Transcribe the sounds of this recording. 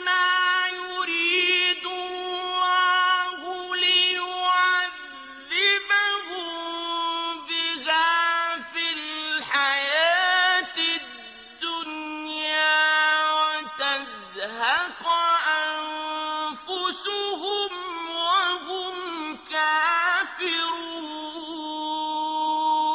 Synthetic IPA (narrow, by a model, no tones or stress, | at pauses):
maːjʊɾiːd̪ʊlɑhʊliwʕaððð | ɪbahʊ | bɪɣafilħajaːt̪ɪ | dd̪ːʊnjaːwat̪az | haqaʔanfʊsʊɦʊmwaɦʊmkafɪɾʊ